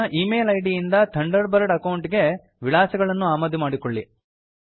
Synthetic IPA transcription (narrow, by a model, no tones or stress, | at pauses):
ʔiːmeːlɐjɖijind̪ɐt̪ʰɐɳɖɐɾbɐɾɐɽɐkɐwuɳʈiɡe̞ | ʋiɭaːsɐɡɐɭɐnːuaːmɐd̪imaːɽikoɭːi